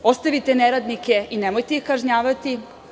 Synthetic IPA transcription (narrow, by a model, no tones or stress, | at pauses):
o̞st̪aʋit̪eneɾad̪nike̞inemojt̪eixkaʒɲaːʋat̪i